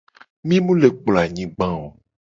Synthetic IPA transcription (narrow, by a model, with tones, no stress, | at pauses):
mĩ˦mũ˦le˨k͡pla˨ɲĩ˦ɡ͡bã˦wo˨